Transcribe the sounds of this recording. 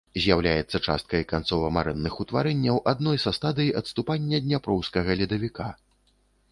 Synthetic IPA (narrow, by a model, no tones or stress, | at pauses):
zʲjawlʲajɛt̪sːɐt͡ʂa̰st̪̚kɐjkant̪sɔvɐmaɾɛnːɨxut̪vaɾɛnʲːɐwʔad̪nɔjsɐst̪ad̪ɨjiʔɐt̪st̪upanʲːɐd̪ʲnʲapɾɔwskɐɣɐlʲid̪ɐvʲika